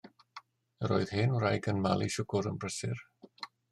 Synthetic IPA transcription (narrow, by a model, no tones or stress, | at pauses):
əɾoɨð̥heːnwrajɡənmalˠiʃʊɡʊɾə̰nbrəsɪr